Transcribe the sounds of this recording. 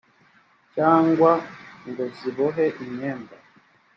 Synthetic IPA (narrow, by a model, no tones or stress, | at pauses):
t͡ʃaŋɡwaŋɡɔziβɔɦɛʔiɲɛmba